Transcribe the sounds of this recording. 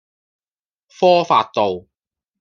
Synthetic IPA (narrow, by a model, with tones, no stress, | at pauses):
fɔː˥faː˧t̚t̪o˨w